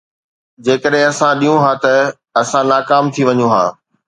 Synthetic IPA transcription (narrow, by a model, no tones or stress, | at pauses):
d͡ʑeːkəɗɦẽɐsãɗijũɦãːt̪ɐ | ɐsãnaːkaːmt̪ʰiʋɐɲũɦã̰ː